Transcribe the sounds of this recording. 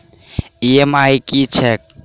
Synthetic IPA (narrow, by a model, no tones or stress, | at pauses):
iemaikit͡ʃʰek̚